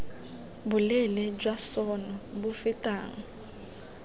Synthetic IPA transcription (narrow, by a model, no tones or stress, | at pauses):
bʊlɛlɛd͡ʒwasɔnɔbʊfɪtʼaːŋ̩